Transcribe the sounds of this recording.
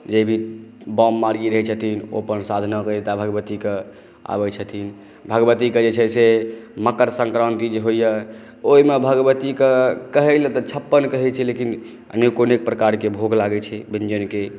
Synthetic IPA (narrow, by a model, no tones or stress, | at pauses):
d͡ʒebʱibɔmːaɾɡiɾəɦɛt͡ʃʰət̪ʰino̰pənsad̪ʱnakəet̪abʱəɡəbət̪ike | a̰bɛt͡ʃʰət̪ʰin | bʱəɡbət̪iked͡ʒet͡ʃʰɛseməkəɾsə̃ŋkɾənt̪id͡ʒeɦojə | oɦimebʱəɡbət̪ikekəɦɛlɛt̪ɔt͡ʃʰəpːənkəɦɛt͡ʃʰɛlekin | ə̰nekonek̚pɾəkaɾkebʱoɡlaɡɛt͡ʃʰɛbind͡ʒənke